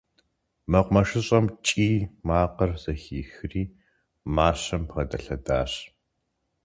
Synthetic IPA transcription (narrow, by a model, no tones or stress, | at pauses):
mɐqʷmɐʂɨɕʼɐmt͡ʃʼiːmaːqərz̥ɐxiːxɨriː | maːɕɐmpʁɐdɐɬɐda̰ːɕ